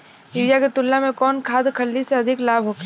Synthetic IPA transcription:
ɪɾjaket̪ʊlːamẽkɔːnkʰaːd̪kʰɐlːiseɐd̪ʱɪklaːbʱɦoːk

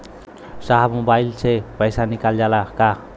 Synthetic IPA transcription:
saɦamobajlt͡sʰepʌjsanikaljalaka

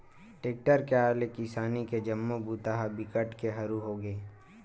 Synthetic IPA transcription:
ʈeːk̚ʈəɾkeaːlekɪsaːniked͡ʒɐmːobʱuːt̪aɦabɪkəʈkeɦɐɾuɦoːɡeː

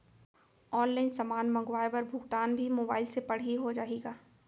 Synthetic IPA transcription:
ɔːnlaɪnsɐmaːnmɐ̃ŋɡʋaːjbɐɾbʱʊɡt̪aːnbʱimoːbaːɪlsepɐɽ̤iɦod͡ʒaːeːɡaː

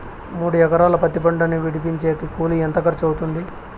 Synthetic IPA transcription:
muːɽujɛkɐɾaːlɐpɐt̪ːipɐɳɖɐniʋiɽip̬iɲt͡ʃeːt̪ukuːlient̪ɐkɐɾt͡ʃɐwt̪und̪i

